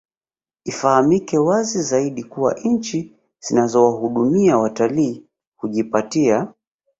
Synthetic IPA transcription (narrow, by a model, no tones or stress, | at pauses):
ifahamikɛwazizaiɗikuwa̰ʔɲ̩t͡ʃi | z̥inazɔwaɦuɗumiawataliː | kuʄipatia